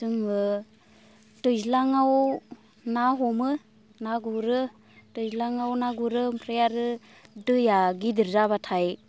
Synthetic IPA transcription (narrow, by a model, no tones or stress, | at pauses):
sɯŋɯ | tɯjzlaŋaw | naɦɔmɯ | naɡuɾɯ | tɯjzlaŋawnaɡuɾɯmpʰɾejaɾɯ | dɯjaɡidɯɾzabatʰaj